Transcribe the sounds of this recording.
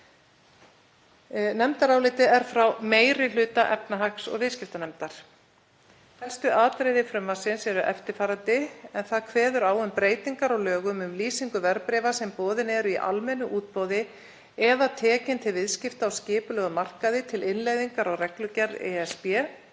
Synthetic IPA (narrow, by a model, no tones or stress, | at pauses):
nɛmt̪aɾawlɪːt̪ɪɛɾ̥fɾawmeːjɾɪlʏːt̪aʔɛpnaɦaksɔ̰ɣvɪðscɪft̪anɛmt̪aɾ̥ | θɛ̥st̪ʏʔaːt̪ɾejðɪfɾʏmvasɪnsɛɾʏʔɛft̪ɪɾfaːɾant̪ɪɛnθaðkʰvɛːðʏɾaːwʏmpɾeːjt̪iŋkaɾawlœːɣʏmʏmliːsiŋkʏvɛɾpɾɛːvasɛmpɔːðɪnɛɾʏiʔa̰lmɛnːʏʔuːt̪pɔːwðɪ | ɛðat̪ʰɛːcɪnt̪ʰɪlvɪðscɪft̪aawscɪːpʏlɛɣʏmar̥kaðɪt̪ʰɪlɪnlejðiŋkaɾawrɛklʏcɛɾðɛ̰ɛspjɛ